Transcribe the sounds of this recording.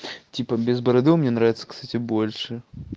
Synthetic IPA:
t͡sʲipɐbʲɛzbɐɾɐd̪ɨwmʲnʲɛnɾavʲt̪sɐ̥kst̪atʲibɔlʲʂɨ

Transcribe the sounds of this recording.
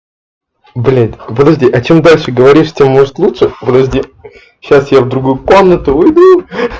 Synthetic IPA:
blʲed̪ʲvəd̪ɐʐdʲiʔɐt͡ɕe̞md̪alʲʂɨɡəvɐɾʲiʂt͡ɕʲemːo̞ʐɨt̪lˠutʂɨvəd̪ɐʐdʲi | ɕːasjavd̪ɾʊɡujʊko̞mnət̪ʊvɨjd̪u

